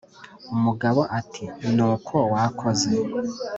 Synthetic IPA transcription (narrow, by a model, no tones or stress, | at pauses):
umuɡaβoʔatʰinuːkʰowakʰoze